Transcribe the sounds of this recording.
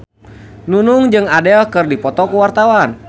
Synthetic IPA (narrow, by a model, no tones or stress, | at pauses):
nunuŋd͡ʒɨŋadɛlkɨrdipɔt̪ɔkuwart̪awan